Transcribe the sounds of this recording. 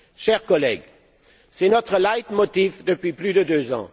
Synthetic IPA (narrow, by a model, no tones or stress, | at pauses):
ʃɛʁkɔlɛɡ | sɛnɔt̪χəlajt̪mɔt̪ifd̪əpɥiplyd̪əd̪øzɑ̰̃